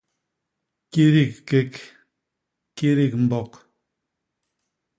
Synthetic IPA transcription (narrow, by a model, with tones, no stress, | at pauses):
ki˦ɾi˦˨kkːe˦k | ki˦ɾi˦˨k̚m̩˨bɔ˨k